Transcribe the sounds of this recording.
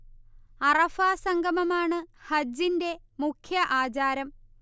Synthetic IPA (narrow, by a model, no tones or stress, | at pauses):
ɐrɐfaːsɐŋɡʱɐmɐmaːɳɨhɐd͡ʑːinde̞mukʰjɐʔaːd͡ʑaːɾɐm